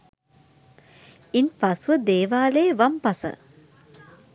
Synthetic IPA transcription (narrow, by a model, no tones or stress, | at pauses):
inpasuʋəd̪eːʋaːleːʋampasə̰